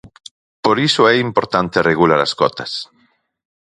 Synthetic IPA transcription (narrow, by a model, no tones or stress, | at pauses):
poɾisoɛimpoɾt̪ant̪ereɣulaɾa̰skɔt̪as